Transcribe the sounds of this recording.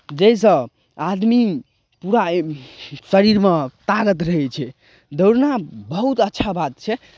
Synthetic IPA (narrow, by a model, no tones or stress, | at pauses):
d͡ʒejs̬ə̃ | ad̪mi | puɾa | səɾiɾmet̪aɡət̪ɾəɦɛt͡ʃʰɛ | d̪əwɾnabəɦut̪ətːʃʰabat̪̚t͡ʃʰɛ